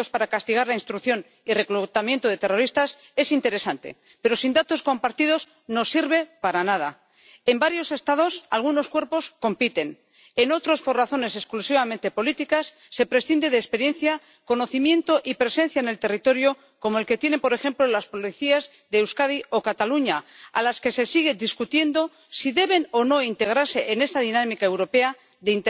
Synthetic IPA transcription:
ospaɾakast̪iɣ̞aɾlainst̪ɾukθjo̞n | ire̞klut̪amje̞nt̪oð̞e̞t̪e̞ro̞ɾist̪as | e̞sint̪e̞ɾe̞sant̪ḛ | pe̞ɾo̞sind̪at̪o̞sko̞mpaɾt̪ið̞o̞s | no̞siɾβe̞paɾanað̞a | embaɾjo̞se̞st̪aðo̞sa̰lɣ̞uno̞skwe̞ɾpo̞sko̞mpit̪e̞n | e̞no̞t̪ɾo̞spo̞raθo̞ne̞se̞sklusiβ̞amẽ̞nt̪e̞po̞lit̪ikasːe̞pɾe̞sθind̪e̞ðeːspe̞ɾjẽ̞nθja | ko̞no̞θimjẽ̞nt̪o̞ʔipɾe̞se̞n̟θjaene̞lt̪e̞rit̪o̞ɾjo̞ | ko̞mo̞elke̞t̪je̞ne̞mpo̞ɾe̞xe̞mplo̞laspo̞liθiaz | ðe̞ːwskaðio̞kat̪aluɲaa̰laske̞se̞siɣ̞e̞d̪iskut̪je̞nd̪o̞ | siðe̞βe̞no̞no̞int̪e̞ɣ̞ɾaɾse̞ʔene̞st̪aðinamikaewɾo̞pe̞a | ðe̞int̪

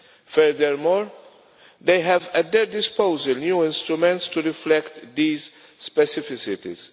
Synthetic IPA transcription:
fɛɾd̪əɾmɔːɾ | d̪ejɦɛvɛt̪̚d̪ɛɾd̪ɪspoʊzəlnjuːɪ̃nst̪ɾumɛ̃nt̪st̪uɾɪflɛkt̪d̪iːz | spɛsɪfɪsɪt̪ḭz̥

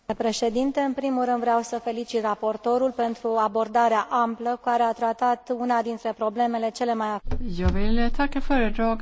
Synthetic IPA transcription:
pɾe̞ʃe̞d̪int̪e̞ɨnpɾimulrɨnd̪vɾeawsəfe̞lit͡ʃit̪rapo̞rt̪o̞ɾulpe̞nt̪ɾuabo̞rd̪aɾeaʔampləkaɾeat̪ɾat̪at̪unad̪int̪ɾe̞pɾo̞ble̞me̞le̞t͡ʃe̞le̞majajovilet̪ʰakefəɾəd̪ɾoɡ

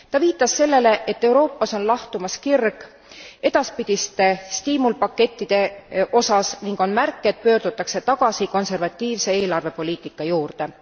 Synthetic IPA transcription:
t̪ɑviːt̪ːˑɑsse̞lːe̞le̞ʔe̞t̪ːe̞wɾo̞ːpːˑɑso̞nlɑht̪umɑskirɡ̥ | e̞d̪̥ɑspid̪̥ʲist̪est̪iːmulpɑkːe̞t̪ʲːid̪̥e̞ʔo̞sɑsniŋɡ̥o̞nmærkːˑet̪̚pø̞ːrd̪̥ut̪ːˑɑkse̞t̪ɑɡ̥ɑsiko̞nse̞rvɑt̪ʲːiːvse̞eːlɑrve̞po̞lʲiːt̪ˑikːˑɑjuːrd̪̥e̞

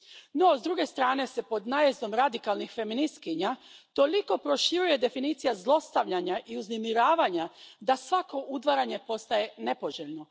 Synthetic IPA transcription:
no̞zd̪ɾuɡe̞st̪ɾaːne̞se̞po̞d̪najezd̪o̞mɾad̪ikalˠnixfe̞minist̪kiɲat̪o̞liko̞pɾo̞ʃiɾuje̞d̪e̞finiːt̪sijazlˠo̞st̪aʋʎaɲaʔiuznemiɾaːʋaɲad̪asʋako̞ʔud̪ʋaɾaɲe̞po̞st̪aje̞ne̞po̞ʒeʎno̞

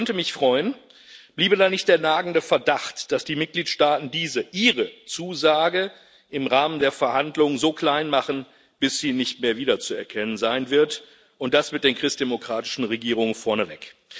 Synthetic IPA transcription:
kœntəmɪçfʁ̥ɔʏən | b̥liːbədaːnɪçtd̥eːɐnaːɡŋ̩dəfɛɐdaχtd̥asd̥iːmɪt̚ɡ̥liːtʃtaːtn̩diːzəʔiːʁət͡suːzaːɡə | ʔɪmʁaːməndeːɐfɛɐhandlʊŋəzoːkl̥aɪnmaχn̩ | b̥ɪsz̥iːnɪçtmeːɐviːdɐt͡suɛɐkʰɛnənzaɪnvɪɐt | ʔʊnt̚d̥asmɪt̚d̥eːnkʁ̥ɪstd̥emokʁ̥aːtɪ̥ʃn̩ʁeɡiːʁ̞ʊŋənfɔɐnəvɛk

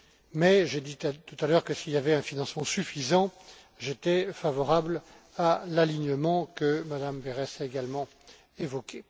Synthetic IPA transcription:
mɛʒed̪it̪ut̪alœʁkəsiljavɛɛ̃finɑ̃smɑ̃syfizɑ̃ | ʒet̪ɛfavɔʁabl | alaliɲəmɑ̃kəmad̪ambeʁɛsaeɡalmɑ̃ | evɔkʲʰe

